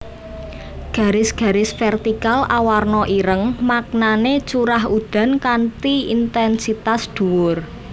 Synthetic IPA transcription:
ɡ̥ä̤ɾɪsɡ̥a̤ɾɪsfɛrt̪ikalʔawarnɔʔiɾəŋmak̚nanet͡ʃuɾaɦud̪̥a̤nkant̪iint̪ɛnsit̪asd̪̥ṳwʊr

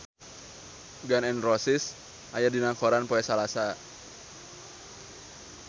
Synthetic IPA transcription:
ɡanɛnrɔsɪs | ʔajadinaŋkɔɾanpoɛsalasa

